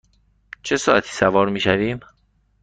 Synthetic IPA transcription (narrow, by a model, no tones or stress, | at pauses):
t͡ʃʰesɒːʔæt̪ʰiːsævɒːɾmiːʃæviːm